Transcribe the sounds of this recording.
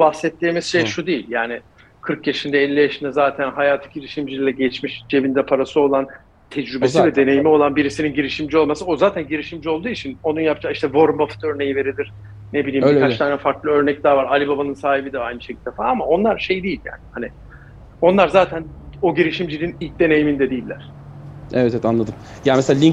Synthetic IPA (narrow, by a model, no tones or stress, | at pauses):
bahsɛt̪ːʲeːmiz̥ʃejʃud̪ejilʲjaːnɪ | kʰɯɾkjaʃind̪ɛɛlʲːijaʃɯnd̪azaːt̪ʰænɦajaːt̪ʰɯ̥ɟiɾiʃimd͡ʒilʲilʲɛɟɛt͡ʃmiʃd͡ʒe̞vind̪ɛpʰaɾasɯo̞lˠan | t̪ʰɛd͡ʒɾybesivɛd̪e̞ne̞jimio̞lˠanbiɾisininɟiɾiʃimd͡ʒio̞lˠmasɯozaːt̪ʰænɟiɾiʃimd͡ʒio̞lˠd̪uːit͡ʃʰino̞nunjapd͡ʒaːiʃt̪ʰɛvo̞ɾmbaft̪ʰø̞ɾne̞jive̞ɾilʲiɾ̥ | nebilʲiːmbikʰat͡ʃt̪ʰaːnɛfaɾklˠɯø̞ɾnɛc̚d̪aːvaɾalʲibabanɯnsaːɦibid̪ɛajnɯʃecʰid̪efaːamao̞nlˠaɾʃe̞jd̪ejilʲja̰ːnɪhanɪ | o̞nlˠaɾzaːt̪ʰæno̞ɟiɾiʃimd͡ʒilʲinilʲc̚d̪e̞ne̞jimind̪ɛd̪ijilʲːæɾ̥evɛt̪ɛɛt̪ʰanlˠad̪ɯmjaːmesealʲi